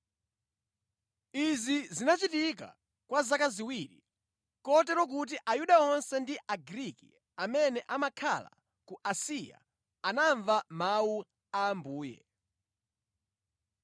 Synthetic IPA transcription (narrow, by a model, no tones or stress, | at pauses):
izizinat͡ʃitik̬a̰ | kwazakaziwiɾḭ | kɔtɛɾɔk̬ut̬iʔajuɗaɔnsɛndiʔaɡɾikḭ | amɛnɛʔamakʰa̰la̰ | kuʔasija̰ | anaɱvamau | aːmbuːjɛ̰